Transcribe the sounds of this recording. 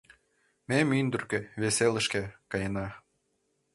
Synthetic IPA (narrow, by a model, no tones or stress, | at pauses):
memynd̪ə̆rkeβeselə̆ʃkækɑjɤ̆nɑ